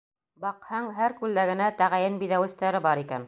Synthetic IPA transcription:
bɑqhɑɴɦæɾkʉld̪æɡɘ̆næt̪æʁæjɘnbiðæwɘ̆st̪æɾɘbɑɾikæ̰n

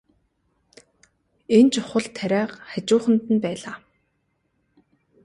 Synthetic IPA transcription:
ent͡ɕʊχə̆ɮt̪ʰːæɾʲæːqχæt͡ɕʊːχə̆nt̪ɘ̆npæːɮaː

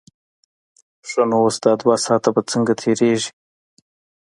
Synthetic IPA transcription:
sonowosd̪ɑd̪wasɑːt̪abat͡səŋɡat̪ʰeɾeʒi̥

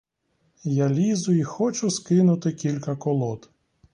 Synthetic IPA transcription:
jalʲizʊixɔt͡ʃʊskɪnʊt̪ɪkʲilʲkɐkɔlˠɔt̪

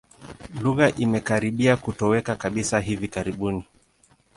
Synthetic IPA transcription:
luɣaʔimɛkaɾiɓiakutɔwɛkakaɓisaɦivikaɾiɓuni

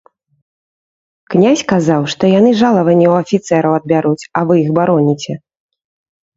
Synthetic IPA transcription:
knʲasʲkazawʂt̪ɔjanɨʐalˠɐvɐnʲːɛwɐfʲit̪sɛɾɐwɐd̪̚bʲaɾut͡sʲɐvɨixbaɾɔnʲit͡sʲɛ

